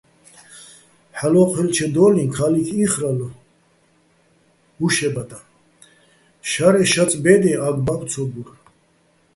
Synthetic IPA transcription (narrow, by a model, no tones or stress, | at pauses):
ħalɔqʰwɛlt͡ʃʰɛd̪ɔlinkʰalikʰiχɾal | uʃɛbat̪ʼa | ʃaɾɛʃat͡sʼbɛd̪ɛaɡbamt͡sʰɔbuɾ